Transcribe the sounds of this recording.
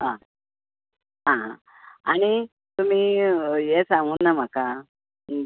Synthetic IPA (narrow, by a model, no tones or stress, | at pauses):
ɦã | ɦãɦã | aɽ̃i | t̪um̤ijesãŋɡunːam̤aka